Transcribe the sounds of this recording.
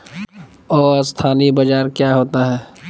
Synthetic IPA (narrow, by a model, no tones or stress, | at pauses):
ɔːɾst̪ʰaːnibɐd͡ʒaːɾkjaːɦoːt̪aɦɛː